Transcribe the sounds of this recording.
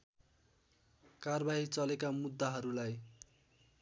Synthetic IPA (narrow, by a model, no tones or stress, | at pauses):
karbaɦit͡sʌlekamud̪ːaɦʌɾulaj